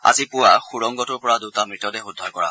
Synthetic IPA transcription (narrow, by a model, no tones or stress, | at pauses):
a̰zipʊwaxuɹɔŋɡɔtʊɹpɔɹadutamɹitːɔdexʊdʱːaɹkɔɹa̰